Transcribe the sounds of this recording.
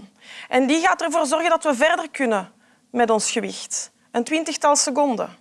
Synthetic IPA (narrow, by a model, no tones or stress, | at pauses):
ʔɛndiɣaːtərvoːrzɔrɣəndɑtʋəvɛrdərkʏnə | mɛtɔnsxəʋɪ̰xt | əntʋɪntəxtɑlˠsəkɔndə̰